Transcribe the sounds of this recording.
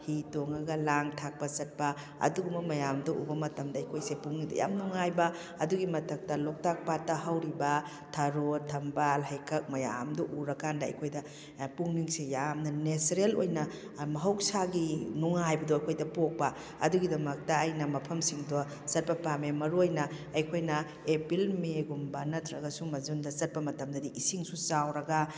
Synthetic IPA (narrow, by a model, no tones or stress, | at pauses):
hitoŋɐɡɐlaŋtʰak̚pɐsɐt̚pɐ | ɐ̰duɡumɐmɐjamdɔʔṵbɐmɐtɐmdɐːjkʰojsepuŋnidɐ̰ja̰mnuŋajbɐ | ɐduɡimɐtʰɐk̚tɐlok̚tak̚patːɐɦɐwɾibɐ | tʰɐɾotʰɐmbalɦɐjkʰɐk̚mɐja̰mdɔʔuɾɐkːandɐɐ̰jkʰojdɐ | puŋniŋsejamnɐnesɾelojnɐ | mɐɦɐwk̚saɡinuŋajbɐdoɐjkʰojdɐpok̚pɐ | ɐ̰duɡidɐmɐk̚tɐːjnɐmɐpʰɐmsiŋdɔ | sɐt̚pɐpamemɐɾuojnɐːjkʰojnɐ | epilmeɡumbanɐtʰɾɐɡɐsumɐzundɐsɐt̚pɐmɐtɐmdɐdiisiŋsut͡ʃawɾɐɡɐ